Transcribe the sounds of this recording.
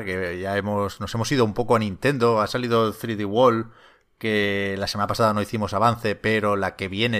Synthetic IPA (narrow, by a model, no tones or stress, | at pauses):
ke̞ʝae̞mo̞sno̞se̞mo̞siðoumpo̞koanĩnt̪e̞nd̪o̞asalið̞o̞θɾiðiɣwo̞l | ke̞lasemanapasaðano̞iθimo̞saβan̟θe̞pe̞ɾo̞lake̞βje̞ne